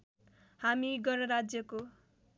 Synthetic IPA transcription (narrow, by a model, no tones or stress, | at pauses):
hamiɡʌɾʌɾad͡zjʌko